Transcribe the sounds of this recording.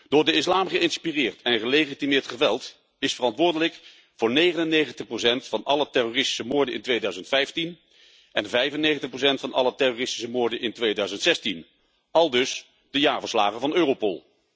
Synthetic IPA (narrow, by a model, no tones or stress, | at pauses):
d̥ʊːɹdəɪslaːmχəɪnspirɪːɹtʰɛnχəlejχitimɪːɹtχəʋɛlˠt | ɪsfərɑntʋʊːɹdələk | vʊːɹnejχənənːejχəntəχprosɛntfɑnɑlətɛrorɪsti̥səmʊːɹdənɪ̰ntʋejdœɥzəntfɛjftin | ɛnvɛjvənːejɣχəntəχprows̬ɛntfɑnɑ̰lətɛrorɪsti̥səmʊːɹdənʔɪntʋejdœɥzəntsɛstin | ɑlˠdɵs | d̥əjaːɹvəɹsla̰ːχəvɑnøːrowpo̰lˠ